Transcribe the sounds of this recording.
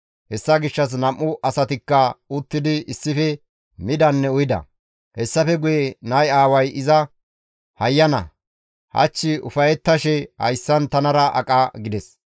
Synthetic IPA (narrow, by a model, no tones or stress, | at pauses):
hɛsːɐɡɪʃːɐs̬nɐmʔːʊʔɐsɐt̪ɪkːɐʊt̪ːɪd̪ɪʔɪsːɪfɛ | mɪd̪ɐnːɛʊjɪd̪ɐ̰ | hɛsːɐfɛɡʊjɛnɐjaːwɐjʔɪzɐ | hɐjːɐnɐ̰ | hɐ̰t͡ʃːɪʊ̰fɐjɛt̪ːɐʃɛhɐ̰jsːɐnt̪ɐnɐɾɐʔɐ̰kʼɐɡɪd̪ɛs